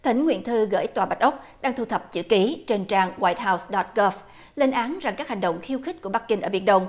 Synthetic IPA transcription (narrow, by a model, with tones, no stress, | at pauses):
t̪ʰï˨˩˦ŋ̟ŋwḭ˧˨nt̪ʰɨ˧ɣə̰ː˧˩jt̪waː˨˩ɓa˦˥jt̚ʔə˦˥wk͡p̚ɗaː˧ŋt̪ʰu˧t̪ʰə˨˩p̚t͡ɕɨ̰˧˥ki˨˦t͡ɕe˧nt͡ɕaː˧ŋwaː˧˩jt̚ɦa˧wsɗɔ˨˦˥t̚ɣɔ˦˥f | le˧nʔaː˨˦nza˨˩ŋkaː˦˥k̚ha˨˩jŋ̟ɗə̰˧˨wŋ͡mxi˧əwxi˦˥k̟̚ku˧˩əɓa˦˥k̚ki˧ŋ̟ʔəː˧˩vḭ˧˩ənɗə˧wŋ͡m